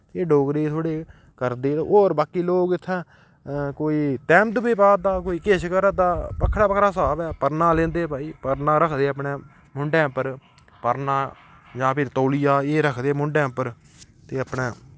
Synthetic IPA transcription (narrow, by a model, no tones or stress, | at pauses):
eːɖoːɡɾeːt̪ʰoːɽeː | kəɾd̪eːoːɾbaːkiːloːɡɪt̪ʰːãː | koːiːt̪ɛ̃ːmd̪biːpaːd̪aːk̬oːiːkeːʃkəɾəd̪aːpəkʰːɽaːpəkʰɾaːsaːbɛːpəɾnãːlẽːnd̪eːpaːiːpəɾnãːɾəkʰd̪eːəpɳeː | mʊɳɖɛ̃ːpəɾ | pəɾnãː | d͡ʒãːpʰɪɾt̪oːlijaːeːɾəkʰd̪eːmʊɳɖɛ̃ːpəɾ | t̪eːəpɳeː